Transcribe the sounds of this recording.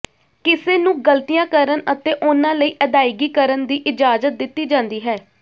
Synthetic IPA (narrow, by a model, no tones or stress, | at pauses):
kɪseːnũːɡəlt̪ijãːkəɾənət̪eːʔʊnãːləiːʔəd̪aːɪɡiːkəɾənd̪iːʔɪd͡ʒaːzət̪̚d̪ɪt̪ːiːd͡ʒãːnd̪iːɦɛː